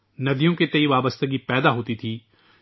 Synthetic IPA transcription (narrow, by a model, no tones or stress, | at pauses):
nəd̪ijõːket̪eiʋaːbəst̪əɡiːpɛːd̪aːɦoːt̪iːt̪ʰiː